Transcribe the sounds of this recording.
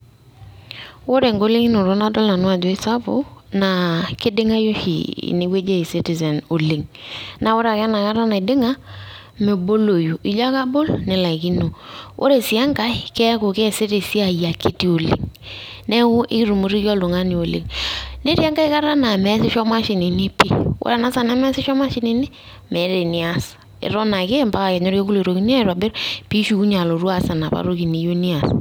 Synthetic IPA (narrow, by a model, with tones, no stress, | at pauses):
wo˦ɾe˨ŋɡo˦le˦ŋi˦no˨ɾo˦na˦dɔ˦lna˨nwa˦˨d͡ʒi˦sa˦bo̰˦na˨kɪ˦dɪ˦ŋa˦jo˦ʃḭ˨ne˨we˦d͡ʒe˦i˨si˦ti˨sɛ˨no˨li˨ŋna˨wo˦ɾa˨kɛ˦na˨ka˦ɾa˦na˨ɪ˨dɪ˦ŋa˦ | me˨bo˦lo˨ju˨ʔɪ˨ʎa˦ka˦bo˦lnɪ˨la˨ki˦no˨ʔo̰˦ɾe˨si˨a˦ŋka˦ɪ˦kɛ˦ko˨ke˦˨si˦te˨si˦a˨ja˨ki˦ti˦o˨lḛ˨ŋ | nɛ˦ʊ˦ʔɪ˦ki˦ɾu˨mu˨˦ɾi˦kjɔ˦lo˨ŋa˦ni˨o˨lḛ˨ŋne˦ɾi˦a˦ŋɡa˦i˦ka˦ɾa˦na˨mɛ˦sɪ˦ʃɔ˦ma˦ʃi˨ni˨ni˦pi˦wo̰˦ɾa˨na˦sa˨na˨˦mɛ˦sɪ˦ʃɔ˦ma˦ʃi˦ne˨nɪ˦ | mɛ˨˦ɾe˨ni˨a˦s | ɪ̰˨ɾɔ˦na˨ke˦mba˦ka˨kɛ˨ɲɔ˦ɾje˦ku˦lo˨ɾo˨ki˦ni˦a˦˨ɾɔ˨bɪ˦ɾpi˦ʃu˨˦ku˦ɲa˨lo˨ɾwa˦˨sa˨na˨pa̰˦ɾo˦ki˨ni˨jo˦ni˦a˨s